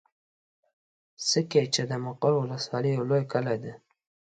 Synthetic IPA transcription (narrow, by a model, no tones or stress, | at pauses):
səket͡ʃed̪əmaqoɾwʊləswɑlijawlojkalajd̪e